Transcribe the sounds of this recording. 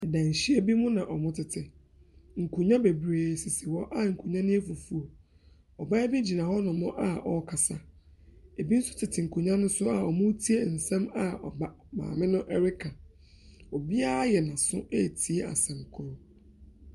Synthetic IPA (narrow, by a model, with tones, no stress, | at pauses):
ɛ˨dã˨ɲ̩˨ɕi˦e˨bi˦mʊ̃˦nã˨ʔɔ˨mʊ̃˦tʰɪ˨tʰɪ˨ | ŋ̩˨kʰu˨ɲã˦be˨bɾeː˨si˨sɪ˨wɔ˦ʔa˦ŋ̩˨kʰu˨ɲã˦nɪ̃˦e˦fu˨fu˨o˨ | ɔ˨ba˦e˦bi˦d͡ʑi˨nã˨hɔ˦nʊ̃˨mɔ̃˦ʔa˨ɔ˦˨kʰa˨sa˨ | e˨bi˦n̩˦sʊ̥˦tʰɪ˨tʰɪ˨ŋ̩˨kʰu˨ɲã˦nʊ̃˦sʊ˦a˨ɔ˨mʊ̃˦tʰi˦e˦˨n̩˨sɛ̃˦ma˨ɔ̰˨ba˦ | mã̰ː˨mɪ̃˦nʊ̃˦ʔɛ˦ɾɪ˦kʰã˨ | ɔ˨bi˦a˦a˦jɛ˨nã˨sʊ̰˦ʔe˦˨tʰi˨e˦a̰˨sɛ̃˨mkʰʊ˦ɾʊ˦